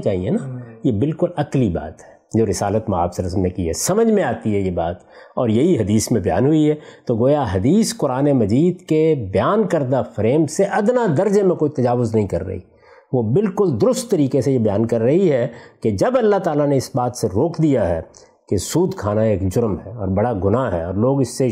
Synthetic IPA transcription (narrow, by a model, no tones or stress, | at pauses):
t͡ʃaːɦienajebɪlkʊlɐkliba̰ːt̪ɦɛː | d͡ʒoːɾɪsaːlət̪ma̰ːbsɐɾɐsəmnẽkiɦɛ̰ːsɐməd͡ʒmẽaːt̪iɦɛjebaːt̪ | ɔːɾjɐɦiɦɐd̪iːsmẽbɐja̰ːnɦʊiɦɛːt̪oɡoːjaɦɐd̪iːskʊɾaːnemɐd͡ʒiːd̪kebɐjaːnkɐɾd̪afɾeːmseʔɐd̪nad̪ɐɾd͡ʒemẽkoːit̪ɐd͡ʒaːʋʊznɐɦĩkɐɾːɐ̰ɦḭ | ʋobɪlkʊld̪ʊɾʊst̪ːɐɾiːkesejebɐjaːnkɐɾːɐɦiɦɛked͡ʒɐbɐlːaɦt̪aːlaneɪsbaːt̪seɾoːkʰd̪ijaɦɛ | kesuːd̪kʰaːnaeːkd͡ʒʊɾmɦɛɔːɾbɐɽaɡʊnaɦɛ̰ɔːɾloːɡɪsːe